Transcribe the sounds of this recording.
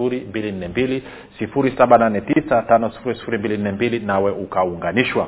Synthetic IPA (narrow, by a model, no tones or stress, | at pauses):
uɾimbilin̩nɛmbili | sifuɾisaɓananɛtisatanɔsi̥fuɾisi̥fuɾimbilin̩nɛmbilinawɛʔukauŋɡaniʃwa